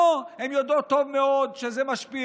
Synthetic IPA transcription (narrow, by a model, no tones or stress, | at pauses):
hemjod̪ot̪ːovmeod̪ʃezemaʃpi